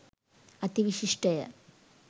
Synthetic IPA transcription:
ɐt̪iʋiɕiʂʈɐjɐ̰

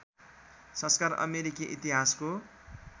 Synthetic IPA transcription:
sʌ̃nskarʌ̰meɾikiʔḭt̪iɦasko

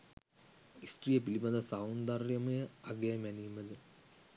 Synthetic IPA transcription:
isʈrijəpilibɐd̪ɐsawnd̪arjɐmɐjəaɡejmɛnijməd̪ə

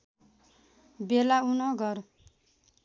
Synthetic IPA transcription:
belaunʌɡʌr

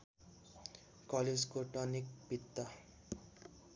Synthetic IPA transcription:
kʌled͡zkoʈʌnik̚bit̪ːʌ

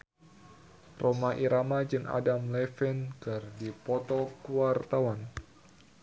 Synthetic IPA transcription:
romaʔiɾamad͡ʒɨŋa̰damlɛfɛnɡardipɔt̪ɔkuwart̪awan

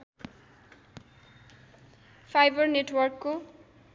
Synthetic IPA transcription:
fʰajbʌrneʈwʌrkːo

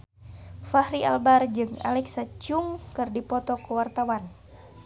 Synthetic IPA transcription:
fahɾia̰lbard͡ʒɨŋa̰lɛksat͡ʃuŋkɨrdipɔt̪ɔkuwart̪awan

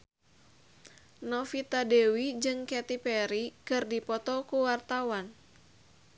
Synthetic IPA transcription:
nɔfit̪adewid͡ʒɨŋkɛt̪ipɛɾikɨrdipɔt̪ɔkuwart̪awan

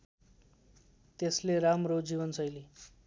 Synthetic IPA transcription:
t̪esleɾamrod͡ziβʌnsʌjli

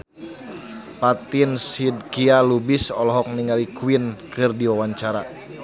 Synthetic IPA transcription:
pat̪insid̪̚kialubisɔlɔɦɔk̚niŋalikuwinkɨrdiwawaɲt͡ʃaɾa

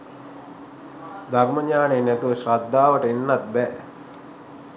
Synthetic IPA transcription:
d̪arməɲaːneːnæt̪uʋəɕrad̪ʱːaːʋəʈəinːat̪̚bɛ

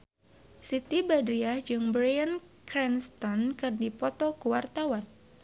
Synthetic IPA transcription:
sit̪ibadɾiahd͡ʒɨŋbɾajan | kɾɛnst̪ɔnkɨrdipɔt̪ɔkuwart̪awan

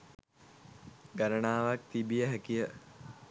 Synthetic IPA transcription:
ɡaɾənaːʋak̚t̪ibijəɦækijə

